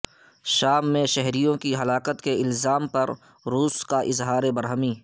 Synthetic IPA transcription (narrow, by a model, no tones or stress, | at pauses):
ʃaːmːẽʃɛɦɾijõkiɦɐlaːkət̪keɪlzaːmpɐɾ | ɾuːskaʔɪzɦaːɾebɐɾɦəmiː